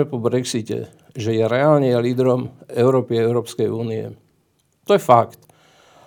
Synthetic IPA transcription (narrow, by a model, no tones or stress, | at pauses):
ɛpɔbɾɛksicɛ̰ | ʒɛjɛɾɛaːlɲɛjaliːd̪ɾɔmɛʊɾɔːpiɛʊɾɔːpskɛjuːniɛ̰ | t̪ɔjɛfakt̪